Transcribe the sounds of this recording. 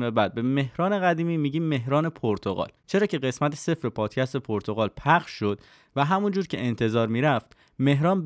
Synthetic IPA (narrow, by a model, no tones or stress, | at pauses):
mebæd̪̚be̞me̞hɾɒːne̞ɣæd̪iːmiːmiːɟiːe̞ɦɾɒːne̞pʰoɾt̪ʰo̞ɣɒ̰ːlt͡ʃʰe̞ɾɒːcʰe̞ɢe̞smæt̪ʰese̞fɾepʰɒːt̪cʰæst̪e̞pʰoɾt̪ʰo̞ɣɒːlpʰæχʃʃo̞d̪̥ | væɦæmund͡ʒuːɾcʰe̞̰ʔent̪ʰe̞zɒːɾmiːɾæft̪ | me̞ɦɾɒːnb